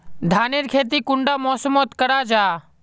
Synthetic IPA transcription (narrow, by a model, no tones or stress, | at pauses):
d̪ʱaːneːɾkʰeːt̪̬iːkʊɳɖaːmɔːsəmoːt̪kəɾaːd͡ʒaː